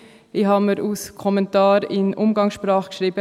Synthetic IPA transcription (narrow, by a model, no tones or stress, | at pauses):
iɦɑːməɾuskʰɔmɛntɑːɾɪnʔʊmɡɑŋsʃpɾɑːχkʃɾiːbə